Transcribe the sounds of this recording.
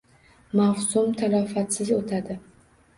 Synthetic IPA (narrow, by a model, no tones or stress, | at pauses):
mawsʊmt̪ʰalɒfat̪sɪzot̪ʰad̪ɪ